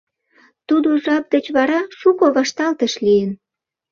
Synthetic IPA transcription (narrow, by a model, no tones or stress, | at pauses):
t̪ud̪oʒɑp̚d̪et͡ɕβɑɾɑʃukoβɑʃt̪ɑlt̪əʃlijən